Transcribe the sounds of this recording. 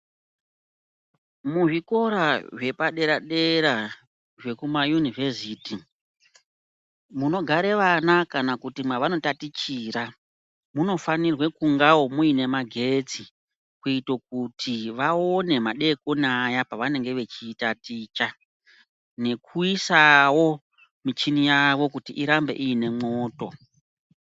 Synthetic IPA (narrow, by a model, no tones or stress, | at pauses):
muʐiko̞ɾaʐe̞paɗe̞ɾaɗe̞ɾa | ʐe̞kumajunive̞siːti | muno̞ɡʱaɾe̞ʋanakanakutimwaʋano̞tatit͡ʃira | muno̞fanirwe̞kuŋɡawomuine̞maɡʱe̞t͡si | kuitok̚utʰiʋao̞ne̞maɗe̞konajapaʋane̞ŋɡe̞ʋe̞t͡ʃiːtatiːt͡ʃa | ne̞kuisawo̞ | mit͡ʃinijaʋo̞kutiʔiɾambe̞̰ʔijine̞moːto̞